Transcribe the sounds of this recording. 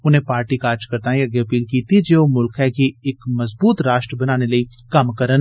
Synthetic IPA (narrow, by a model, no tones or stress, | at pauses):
ʊnɦẽpaːɾʈikaːɾd͡ʒkɐɾt̪aiɐɡɐpiːlkiːt̪id͡ʒeːomʊlkɦɛkiɪkmɐzbuːt̪ɾaːʃʈɾəbɐnaːnelɐikamkɐɾən